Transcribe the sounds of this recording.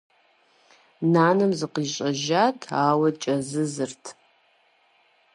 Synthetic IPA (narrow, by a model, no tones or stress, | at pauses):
naːnɨmzɨqiɕʼɐʒaːtʰaːwɐt͡ʃʼɐzɨzɨrtʰ